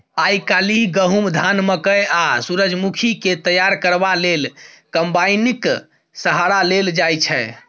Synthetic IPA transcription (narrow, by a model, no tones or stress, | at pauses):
ajkaliɡəɦumd̪ʱanməkəjasuɾəd͡ʒmukʰiket̪əjaɾkəɾbalel | kəmbajnik | səɦaɾaleld͡ʒajt͡ʃʰɛ